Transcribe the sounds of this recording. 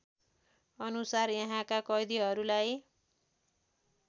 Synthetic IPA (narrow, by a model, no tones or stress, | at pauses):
ʌnusarjʌɦãkakʌjd̪iɦʌɾulaj